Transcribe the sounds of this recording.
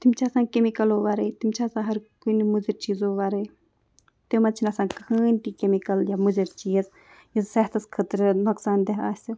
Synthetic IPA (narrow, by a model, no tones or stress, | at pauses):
t̪imt͡ʃʰasãːnkemikɐloːʋaːɾɐjt̪imt͡ʃʰasãːɦɐɾkunimuziɾt͡ʃiːzoːʋaːɾɐj | t̪emɐt͡ʃʰinɐsãːkʰəːnʲʈ̪iːkemikɐljamuziɾt͡ʃiːz | jizsɐht̪ʰɐskʰət̪ɾnuksaːnd̪eɦa̰ːsi